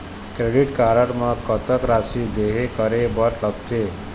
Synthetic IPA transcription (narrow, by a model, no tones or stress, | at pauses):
kɾeɖiʈkaɾəʈmãkət̪əkɾasid̪eɦekəɾebəɾləɡt̪ʰe